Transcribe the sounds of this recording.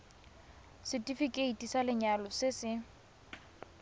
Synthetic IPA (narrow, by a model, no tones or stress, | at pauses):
sɪtʼifikʼeitʼisalɪɲalɔsɪsɪ